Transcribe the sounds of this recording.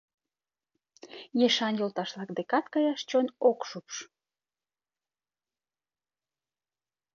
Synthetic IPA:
jeʃɑnjolt̪ɑʃlɑkd̪ekɑt̪kɑjɑʃt͡ɕonokʃupʃ

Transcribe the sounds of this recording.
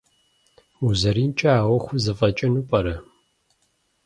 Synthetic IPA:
uzɐɾiːnt͡ʃʼaaːwɔxʷʊzɨfʼɐt͡ʃʼɐnuːpʼɐɾɐ

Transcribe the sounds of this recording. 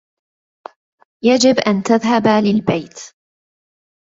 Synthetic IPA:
jad͡ʒɪbʔant̪aðɦabalɪlbajt̪

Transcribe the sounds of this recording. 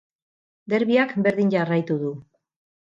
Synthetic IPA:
d̪e̞ɾβiakbe̞ɾðiɲd͡ʒarajt̪uðu

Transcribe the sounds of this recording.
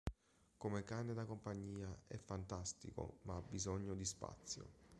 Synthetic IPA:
komekaned̪akompaɲːiːaɛ̰fːant̪ast̪ḭko̰maabːizɔɲːod̪ispa̰t̪sːjo̰

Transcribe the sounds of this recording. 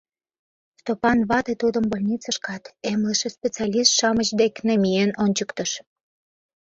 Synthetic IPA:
st̪opɑnβɑt̪et̪ud̪ə̆mbolʲnʲit͡sɑʃkɑt̪emleʃespʲet͡seɑlʲist̪ʃɑmət͡ɕd̪eknemijenonʲt͡ɕəkt̪əʃ

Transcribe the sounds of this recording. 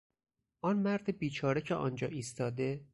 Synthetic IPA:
ʔɒnmæɾd̪ebiːt͡ʃʰɒːɾecʰeʔɒ̰nd͡ʒɒ̰ːʔiːst̪ɒːd̪e̞

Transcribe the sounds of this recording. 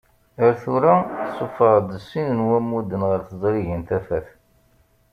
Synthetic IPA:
əɾθuɾasˤːofəɾˤd̪əsːinənwæmːud̪ənʁəɾθəzˤɾiʝənt̪æfæθ

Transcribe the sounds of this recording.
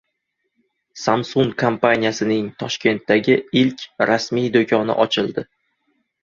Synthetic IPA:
samsuŋkʰampanʲijasɪnɪŋt̪ʰɒʃkʲe̞nt̪ːaɡʲɪɪlkʲʰɾasmijd̪okʰʲɒnɪ̰ʔɒt͡ʃʰɪlˠd̪ɪ

